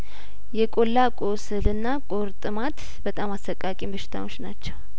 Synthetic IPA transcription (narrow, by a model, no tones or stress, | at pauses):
jɛkʼolːakʼosɨlɨnːakʼoɾt̪ʼɨmat̪ʰ | bət̪ʼamasəkʼːakʼimbəʃɪ̥t̪ʰa̰wot͡ʃːnat͡ʃːɛw